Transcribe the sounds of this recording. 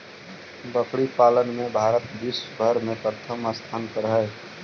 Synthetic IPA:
bəkɽipaːlənmebʱaːɾət̪bisbʱəɾmẽpɾət̪ʰəməst̪ʰaːnkəɾɦɛ

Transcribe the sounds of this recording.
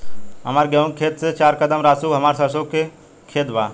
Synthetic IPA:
ɦɐmaːɾɡɐʋũŋkʰeːt̪st͡ʃaːɾkəd̪əmɾaːsuːɦɐmaːɾsɐsoːke | kʰeːt̪ʋa̰ː

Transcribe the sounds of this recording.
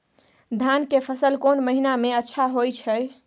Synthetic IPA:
d̪ʱankepʰəsəlkonməɦinameətːʃʰaɦojt͡ʃʰəj

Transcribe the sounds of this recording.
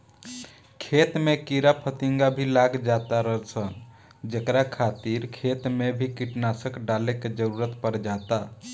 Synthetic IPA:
kʰet̪mekiɾapʰət̪iŋɡabʱilaɡd͡ʒat̪aɾəɦəlt͡ʃʰən | d͡ʒəkɾakʰat̪iɾkʰet̪mebʱikiʈnasəkɖaleked͡ʒəɾuɾət̪pəɾd͡ʒat̪a

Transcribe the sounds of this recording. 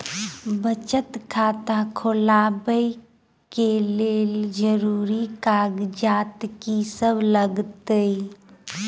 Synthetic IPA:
bət͡ʃət̪kʰaːt̪ãkʰolaːbəi | keleːld͡ʒəɾuːɾikaːɡd͡ʒaːt̪kisəbləɡt̪əi

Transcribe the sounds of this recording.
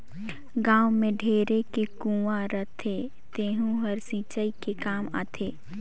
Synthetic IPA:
ɡãːwmẽɖʱeːɾekekũːʋaɾət̪ʰe | t̪eːɦũɦəɾsĩːt͡ʃəikekaːma̰ːt̪ʰeː

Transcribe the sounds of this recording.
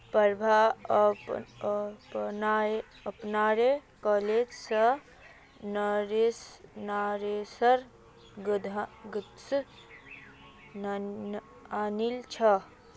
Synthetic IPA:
pəɾbʱa | pna | əpnaɾekɔled͡ʒsə | nəɾesnaɾesəɾ | ɡd̪ʱɡt̪s | anilt͡ʃʰə

